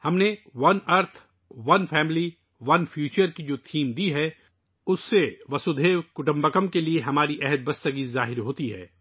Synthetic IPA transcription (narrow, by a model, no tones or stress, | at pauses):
hɐmneʋɐnɐɾt̪ʰ | ʋɐnfʰɛːmli | ʋɐnfʰjuːt͡ʃəɾkid͡ʒoːt̪ʰiːmd̪iɦɛː | ʊsːeʋɐsʊd̪ʱeːʋkʊʈə̃mbəkəmkelieɦɐmaːɾiʔɛɦɛd̪̚bɐst̪əɡizaːɦɪɾɦoːt̪iɦɛ̰ː